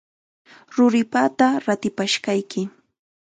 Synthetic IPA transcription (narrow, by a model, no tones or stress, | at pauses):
ɾʊɾɪpat̪aɾat̪ɪpaʃkajkɪ